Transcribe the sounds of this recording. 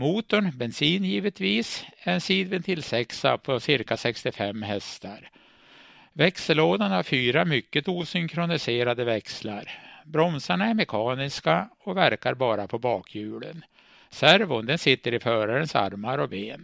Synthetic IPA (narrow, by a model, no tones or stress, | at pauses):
muːt̪ʊɳbɛnsiːnjiːvət̪viːsɛɾɛnsiːd̪vənt̪ʰɪlsɛksa̰pʰɔsɪɾkasɛkst̪ɪfɛmːɦɛst̪aɾ | vɛksəloːd̪anhaɾfyːɾamʏkːət̪uːsʏŋkʰɾʊnɪseːɾad̪əvɛksla̰ɾbɾɔmsaɳaɛɾmɛkʰɑːnɪskaɔvæɾkaɾbɑːɾapʰɔbɑːkʰjʉ̟ːlə̰n | sæɾvʊnd̪ɛnsɪt̪ːəɾɪfœːɾaɾənsa̰ɾmaɾɔbeːn